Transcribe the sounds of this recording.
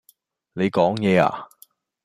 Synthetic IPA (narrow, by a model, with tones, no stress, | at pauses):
ne˨˧jkɔː˨˥ŋjɛː˨˧a̰ː˧˨